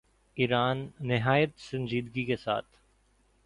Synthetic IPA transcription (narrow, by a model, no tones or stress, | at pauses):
iːɾaːnːɪɦaːjət̪sɐ̃nd͡ʒiːd̪ɡikesa̰ːt̪ʰ